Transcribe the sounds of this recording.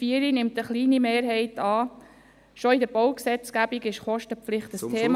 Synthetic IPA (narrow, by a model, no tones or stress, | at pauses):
fiəɾinɪmt̪əχliːnimeːɾɦɛɪt̪ɑː | ʃɔɪdəɾbowksɛt͡sɡ̥æbiɡɪʃχɔʃtəflɪχt̪əsʰeːm